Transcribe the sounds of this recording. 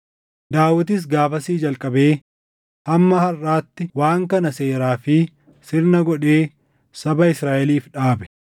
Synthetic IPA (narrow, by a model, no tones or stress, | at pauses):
d̪aːwːɐt̪̬ɪs̬ɡaːfɐsiːd͡ʒɐlkʼɐbe̞ː | hɐmːɐhɐraːt̪ːɪwaːŋkɐnɐse̞ːɾaːfɪ | sɪɾnɐɡɔᶑe̞ː | sɐbɐɪsɾaːʔɛliːfᶑaːbɛ̥